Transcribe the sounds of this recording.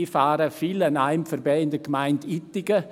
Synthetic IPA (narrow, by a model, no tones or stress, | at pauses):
ifaːɾəfilənaɪmfəɾbɛːɪndəɡmaɪnditɪɡə